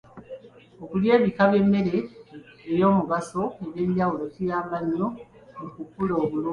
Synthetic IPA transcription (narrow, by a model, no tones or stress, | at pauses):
okulje̞ːβikaβje̞mːe̞ɾeː | ɾjo̞ːmuɡaso̞eβje̞ːɲɟawulo̞cijaːmaɲːomukukulo̞ːβuluː